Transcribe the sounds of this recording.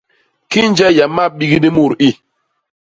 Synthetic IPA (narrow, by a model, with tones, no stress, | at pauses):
ki˦nd͡ʒɛ˦ja˨ma˦˨ɓi˦ɡi˦ni˦mu˦˨ɾi˦